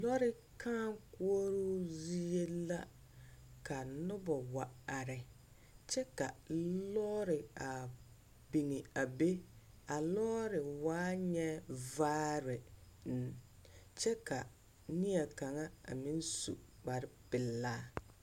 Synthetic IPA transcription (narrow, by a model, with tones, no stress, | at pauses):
lɔ˦ɾɪ˦ | kãː˦ku˦o˦ɾu˦zi˦e˦la˦ | ka˨nʊ˦bɔ˨wa˨a˨ɾɪ˨ | t͡ʃɛ˦ka̰˨lɔː˦ɾɪ˨a˨ | bi˨ŋi˨a˨be˦ | a˨lɔː˦ɾɪ˨waː˦ɲɛ˦vaː˦ɾɪ˨n̩˨t͡ʃɛ˦ka˨ | ni˦a˨ka˨ŋa˦a̰˨mĩ˦n˦sṵ˨ | k͡pa˨ɾɪ˦pɪ˨lːaː˦